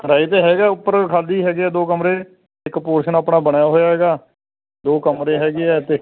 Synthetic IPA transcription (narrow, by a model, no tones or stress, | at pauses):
ɾaːiːt̪̬eːɦɛːɡaːʊpːəɾkʰaːliːɦɛːɡeɛːd̪oːkəmɾeː | ɪkpoːɾʃənaːpɳaːbəɽjaːɦoːjaːɦɛːɡaː | d̪oːkəmɾeːɦɛːɡeɛːt̪eː